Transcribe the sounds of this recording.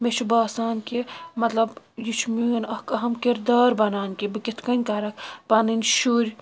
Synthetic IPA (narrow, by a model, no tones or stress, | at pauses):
met͡ʃʰubaːsaːnkʲimɐt̪lɐb | jit͡ʃʰmunɐkɐɦɐmkʲiɾd̪aːɾbɐnaːnkʲibɨkʲit̪ʰkɐnʲkɐɾɐkʰpɐnɨnʲʃuːɾʲ